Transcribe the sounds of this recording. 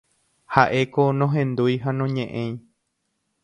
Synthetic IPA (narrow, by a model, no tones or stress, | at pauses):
haʔe̞konõɦẽ̞nd̪ujɦanõɲẽʔẽj̃